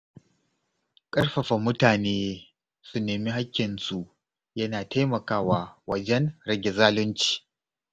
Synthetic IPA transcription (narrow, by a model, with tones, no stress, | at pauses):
kʼɐ˦rɸɐ˨ɸa˨mʊ˦taː˨neː˦ | su˨neː˨mi˦ɦa˦kʲːɪ˨nsu˨ʔ | jɐ˦naː˨ta˦jmɐ˨kaː˦waː˦wɐ˨d͡ʒɛ˦nɾɐ˦ɡʲɛ˨zaː˦lʊ˦nt͡ʃi̥ː˨